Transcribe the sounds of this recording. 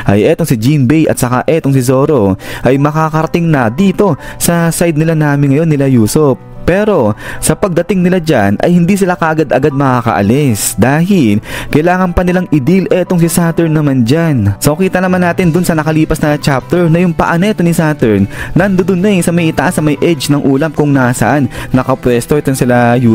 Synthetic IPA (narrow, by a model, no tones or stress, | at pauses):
ʔɐ̰jʔɛːt̪o̞ŋsɪd͡ʒinbɛjʔɐ̰t̪̚sɐka̰ʔɛt̪oŋs̬ɪzoːɾo̞ʔɐjmɐkaːkɐɾɐt̪ɪŋnɐd̪iːt̪o̞sɐsajd̪̚nɪlanaːmɪnŋːɐjo̞nːɪlajuːsopːɛːɾo̞sɐpɐɡ̚d̪ɐt̪ɪŋnɪlad͡ʒa̰nʔɐ̰jhɪnd̪iːs̬ɪlakɐʔaɡad̪ʔɐɡad̪̚mɐkaːkɐ̰ʔɐ̰lɛsd̪aːɦɪlkɐjlaːŋɐnpɐnɪlaŋʔɪd̪ilʔɛt̪oŋsɪsat̪ɛɹnːɐmand͡ʒansoʔkiːt̪ɐnɐmanːaːt̪ɪnd̪ʊnsɐnɐkɐliːpɐsnɐt͡ʃap̚t̪ɛɹnɐjʊŋpɐ̰ʔɐnɛt̪onɪsat̪ɛɹnːɐnd̪ʊd̪ʊnɛjsɐmɐjʔɪt̪ɐʔasɐmɐjʔɛd͡ʒnɐŋʔuːlɐmkʊŋnasɐ̰ʔanːɐkɐpwɛst̪o̞ʔɛt̪onsɪlajuː